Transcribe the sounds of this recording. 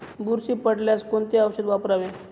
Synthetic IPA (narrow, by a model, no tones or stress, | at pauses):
buɾsiːpəɽljaskoɳt̪eaʋɕed̪ʋapɾaʋe